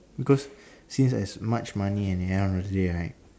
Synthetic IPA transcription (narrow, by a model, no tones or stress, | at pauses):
bikɔs | sĩnsɛ̰smat͡ʃmaniɛ̃nɛə̃nɔdədeɹaɪt̚